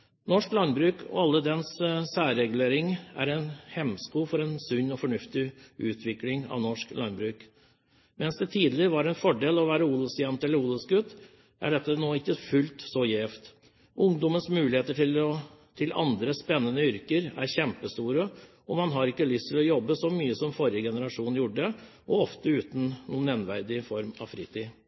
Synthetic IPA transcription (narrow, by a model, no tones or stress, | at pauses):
nɔʂklɑnbɾʉːkʰɔ̰ɑlːəd̪ɛnssæːɾɾɛɡʉleːɾɪŋæ̰ɾɛnhɛmskuːfɔɾɛnsʉɲːɔfɔɳʉft̪ɪʉːt̪ʰʋɪklɪŋɑ̰ʋnɔʂklɑnbɾʉːk | mɛnsd̪ɛt̪ʰiːd̪lɪɾʋɑɾɛnfɔɖeːlɔʋæːɾəuːlɔsjɛnt̪ɛlːəɾuːlɔsɡʉt̪ː | ʔæ̰ɖɛt̪ːənoːɪkːəfʉlt̪sɔjeːft̪ | ʔʊŋd̪ɔmənsmʉːlɪheːt̪əʈɪlɔt̪ʰɪlɑ̰nd̪ɾəspɛnːənəʏɾkəɾæ̰ɾçɛmpəst̪uːɾə | ɔmɑnɦɑɾɪkːəlʏst̪ʰɪlɔjɔbːəsɔmyːəsɔmfɔɾɪəɡɛnəɾɑʂuːnn̩jʊɖəʔɔɔft̪əʉːt̪n̩nuːnɛnʋæɾd̪ɪfɔɾmɑ̰ʋfɾiːt̪ʰiː